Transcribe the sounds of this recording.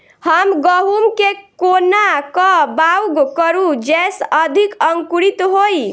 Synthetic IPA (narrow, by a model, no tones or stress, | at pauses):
həmɡəɦumkekonakəbauɡkəɾud͡ʒesəd̪ʱikəŋkuɾit̪ɦoj